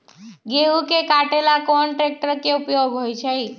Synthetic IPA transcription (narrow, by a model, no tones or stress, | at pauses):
ɡeũkekaʈelakɔɳʈɾek̚ʈəɾkeupjoɡɦojt͡ʃʰej